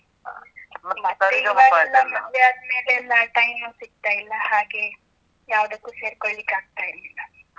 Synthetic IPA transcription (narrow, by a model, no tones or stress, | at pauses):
mɐt̪ːeaːlːɐmɐd̪ʱjaːd̪me̞ːleɛlːɐʈɐjmusiɡ̚t̪ajilːɐhaːɡe̞ | jaːʋɐd̪ɐkːuːse̞ːɾkoɭlikːaːɡ̚t̪aːjilːilːɐ